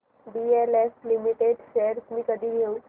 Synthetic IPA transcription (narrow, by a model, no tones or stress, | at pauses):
bieleflimiʈeɖʃeɾsmiːkəd̪ʱiːɡʱeu